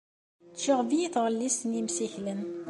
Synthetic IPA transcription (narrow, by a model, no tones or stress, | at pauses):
t͡ʃːəʁvijiθʁəlːisnimsiçlən